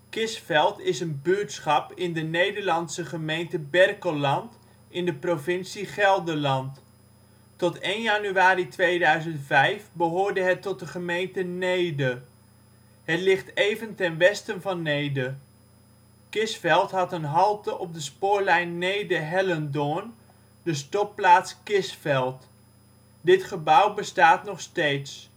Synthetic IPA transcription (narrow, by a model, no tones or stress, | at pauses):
kɪsfɛlˠtɪsənbyɹtsχɑpɪndənejdəɹlɑnsəχəmejntəbɛrkəlɑnt | ɪndəprovɪnsiχɛlˠdəlɑnt | ɔtejnjɑnyaːɾitʋejdœɥzəntfɛjfbəɦʊːɹdəɦɛtɔt̚dəχəmejntənejdə | ɦətlɪχtejvəntɛnʋɛstənvɑnːejdə | kɪsfɛlˠtɦɑtənɦɑlˠtəʔɔb̚dəspʊːɹlɛjnːejdəɦɛləndʊn | dəs̬tɔp̚plaːtskɪsfɛlˠt | dɪtχəbʌwbəstaːtnɔχstejts